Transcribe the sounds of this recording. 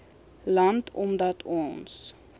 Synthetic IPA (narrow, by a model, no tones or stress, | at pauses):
lɐntʰɔmdɐtʰɔns